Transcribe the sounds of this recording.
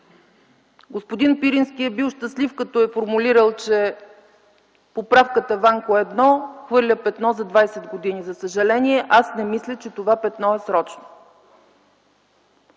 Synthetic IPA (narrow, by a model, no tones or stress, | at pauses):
ɡospod̪inpiɾinskiɛbiʊʃt̪əslifkɐt̪ɔɛfoɾmuliɾəlˠt͡ʃɛ | popɾafkət̪əvaŋkoɛd̪nɔxvɤɾlʲəpɛt̪nɔzɐd̪vajsɛd̪ɡod̪inizɐsəʒɐlɛniɛʔasnɛmislʲət͡ʃɛt̪ovapɛt̪nɔɛsɾɔt͡ʃno